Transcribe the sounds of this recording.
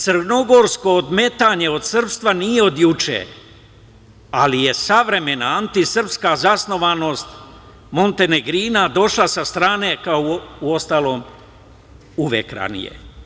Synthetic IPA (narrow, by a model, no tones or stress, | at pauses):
t̪sr̩no̞ɡo̞ɾsko̞ːd̪me̞t̪aːɲe̞o̞d̪sr̩pst̪ʋanijeo̞d̪jut͡ʃḛ | alije̞saʋɾe̞me̞naant̪isr̩pskazasno̞ʋano̞ːst̪ | mo̞nt̪e̞neɡɾiːnad̪o̞ʃlasast̪ɾaːne̞kaouo̞st̪alo̞ːm | uʋḛkɾa̰nḭjḛ